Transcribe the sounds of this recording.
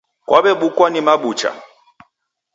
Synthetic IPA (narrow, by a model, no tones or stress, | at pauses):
kwaɓɛɓukwanimaɓut͡ʃa̰